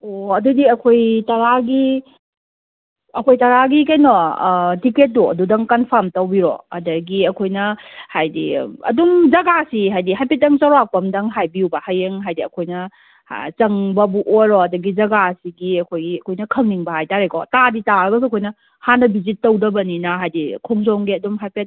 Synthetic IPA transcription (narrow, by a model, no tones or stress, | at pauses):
oɐdudiɐkʰojtɐɾaɡi | ɐkʰojtɐɾaɡikajnɔtiket̚ːuɐ̰dudɐŋkɐnpʰamtɐwbiɾɔ̰ɐ̰dɐɡiɐkʰojnɐhajdḭɐ̰dumd͡ʒɐɡasiɦajdiɦajpet̚dɐŋt͡ʃɐɾak̚pɐmdɐŋɦajbiubɐhajeŋɦajdiɐ̰kʰojnɐ̰ | t͡ʃɐŋbɐbuʔojɾɔɐdɐɡid͡ʒɐɡasiɡiɐkʰojɡiɐkʰojnɐkʰɐŋniŋbɐhajtaɾekʰɔ̰taditaɾɐɡɐsɐkʰojnɐ | hanɐbizitːɐwdɐbɐninɐɦajdikʰɔŋzɔŋɡiɐdumɦajpet̚